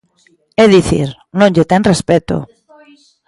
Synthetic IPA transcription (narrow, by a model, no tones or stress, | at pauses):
eðiθḭɾ | nod͡ʒet̪enrespet̪o̰